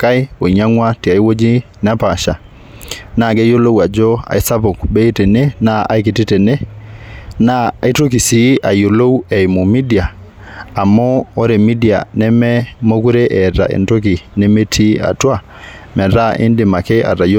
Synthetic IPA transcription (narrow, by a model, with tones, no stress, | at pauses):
ka˦jo˨ɲa˦ŋwa˦ti˨a˨jwo˦d͡ʒi˦ | na˦pa˨ʃa̰˨ | na˦˨ɡe˦jo˦lo˦wa˨d͡ʒɔ˦a̰˨jsa˦po˨kbɛ˦i˦tɛ˨ne˦na˦a̰˨jki˨ti˦tɛ˨nɛ˦ | naː˦˨jto˦k̬i˨si˨ʔa˨jo˨lo˦wɛ˨i˨mo˨mi˦di˨aː˨ | mɔː˦ɾe˨mi˦di˨a̰˨nɛ˦mɛ˦mo˦ku˦ɾe˦ʔɛ˨ta̰˨ʔḛ˨nto˦k̬i˨nɛ˦me˦tʰi˦a̰˨twa˦ | mɛ˨ɾa˦ʔḭ˦ndɪ˨ma˨kɛ˦ʔa̰˨ɾa˨jo